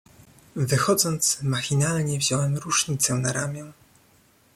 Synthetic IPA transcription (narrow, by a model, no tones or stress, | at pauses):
vɘxɔd̪zɔnt̪smaxʲinalɲɛvʑɔwɛmɾuʂɲit̪sɛnaɾamʲjɛ̃